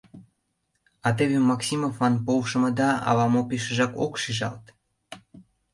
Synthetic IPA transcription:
ɑt̪eβemɑksʲimofːɑnpowʃə̆mə̆d̪ɑɑ̰βɑmopeʃə̆ʒɑko̰kʃiʒɑ̰lt̪

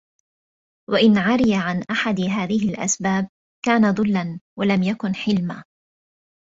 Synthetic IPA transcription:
waʔɪnʕaɾɪjaʕanʔaħad̪ɦaːðɪɦɪlʔa̰sbaːb̚ | kaːnad̪ˤʊlːanwalamjakʊnħɪlmaː

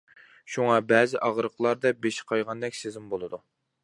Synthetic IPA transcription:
ʃuŋɑbɛːzɪʔɑʁɾəqʰlˠɑɾd̪ɛbeʃɪ̥qʰɑjʁɑnd̪ɛkʲsezɪmbolˠɨd̪u

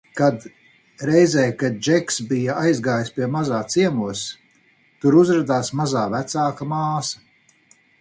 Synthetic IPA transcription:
kad̪ | ɾɛjzɛːkad̪̚d͡ʒɛksbijaajzɡaːjspiɛmazaːt̪siɛmuɔs | t̪uɾuzɾad̪aːsmazaːvæt̪saːkamaːsɐ

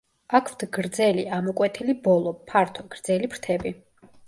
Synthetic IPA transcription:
akʰft̪ʰɡɾd̪zɛliamɔkʼwɛt̪ʰilibɔlˠɔpʰaɾt̪ʰɔɡ̥ɾd̪zɛlipɾt̪ʰɛbi

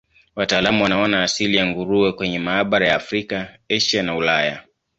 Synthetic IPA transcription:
wataːlamuwanaɔnaːsilijaŋɡuɾuwɛkwɛɲɛmaːɓaɾajaːfɾikaɛʃanaulaja̰

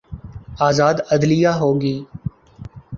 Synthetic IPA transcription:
aːzaːd̪əd̪lɪjaːɦoːɡiː

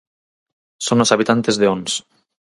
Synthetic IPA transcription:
sonosaβit̪ant̪e̞zðeons

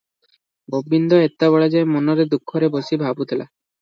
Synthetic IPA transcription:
bobːind̪ɔet̪ːaβɔɭad͡ʒaemɔnɔɾed̪ukʰːɔɾebosibʱabut̪ʰela̰

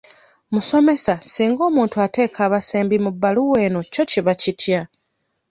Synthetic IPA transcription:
muso̞me̞sasiːŋɡo̞ːmuːntuate̞ːkʰaːβaseːmbimubːaluwe̞ːno̞co̞ciβacitʰja

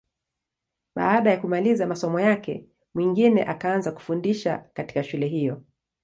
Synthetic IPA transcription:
ɓa̰aɗajakumalizamasɔmɔjakɛ̰ | mwiŋɡinɛ̰ʔakaanzaku̥fundiʃa̰kati̥kaʃulɛɦijɔ

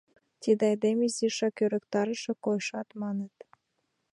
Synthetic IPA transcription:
t̪ʲid̪ɑjd̪emiziʃɑkøɾə̆kt̪ɑɾəʃĕkojʃɑt̪mɑnət̪

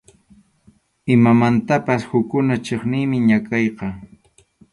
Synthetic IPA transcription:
ɪmamant̪apashʊkːʊnat͡ʃeχnɪːmɪɲakɑjqɑ

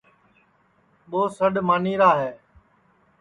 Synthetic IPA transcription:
ɓoːsəɗmaːniːɾaːɦɛː

